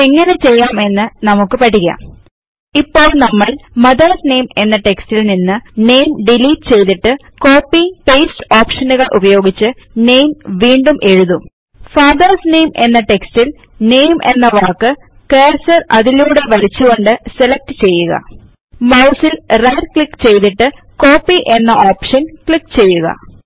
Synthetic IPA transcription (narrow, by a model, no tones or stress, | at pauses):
eŋːɐne̞t͡ɕe̞jːaːme̞nːɨnɐmukːɨpɐʈːiɣɐ̰m | ipːo̞ːɭnɐmːɐɭmɐðɐrsne̞ːme̞nːɐʈe̞kstilninːɨne̞jmɖiliːʈːt͡ɕe̞jt̪iʈːɨ | ko̞ːpːiːpeːstɨoːpʂɐnuɣɐɭʔubɐjo̞ːɡit͡ɕːɨ | ne̞jmʋiːɳɖumʔe̞ɻuðum | faːðɐrsne̞jme̞nːɐʈe̞kstil | ne̞jmʔe̞nːɐʋaːkːɨ | keːrsɐrɐðiluːɽe̞ʋɐlit͡ɕːuɣo̞ɳɖɨse̞lek̚ʈɨt͡ɕe̞jːuɣɐ̰ | mɐwsilrɐjrkɭikːt͡ɕe̞jt̪iʈːɨ | ko̞ːpːiʔe̞nːɐʔoːpʂɐnkɭikːt͡ɕe̞jːuɣɐ̰